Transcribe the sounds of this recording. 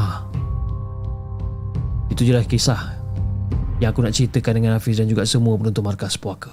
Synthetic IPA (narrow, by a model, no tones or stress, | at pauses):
a | it̪ud͡ʒəlahkisah | jaŋakunaʔt͡ʃɾit̪əkandəŋanafis̬dand͡ʒuɡasəmuəpənunt̪ʊʔmarkaspoakə̥